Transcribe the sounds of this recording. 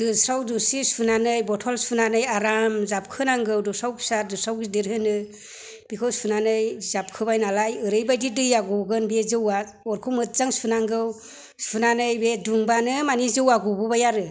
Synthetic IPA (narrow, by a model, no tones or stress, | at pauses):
d̥ɯsɾawdusispʰunanɯjbɔtʰɔlspʰunanɯjaɾamzap̚kʰɯnaŋɡɯwdɔsawpʰi̥saɾdɯsawɡidiɾɦɯnɯ | b̥ikʰɯwspʰunanɯjzap̚kʰɯbajnalajɯɾɯjbajdidɯjaɡɔɡɯnbezɯwa | ɔɾkʰumɯt̚zaŋspʰɯnaŋɡɯw | spʰunanɯjbeduŋbanɯmanizɯwaɡububajaɾɯ